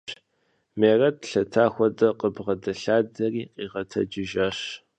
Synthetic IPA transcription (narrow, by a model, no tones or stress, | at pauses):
meːrɐtɬɐtʰaːxʷɔdɐqəbʁɐdɐɬaːdɐriːqʼiːʁɐtʰɐ̰d͡ʒɪʒɐɕ